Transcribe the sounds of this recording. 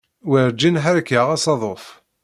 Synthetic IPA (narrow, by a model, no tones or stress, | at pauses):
wəɾd͡ʒinħaɾkːəʁæsɑðˤof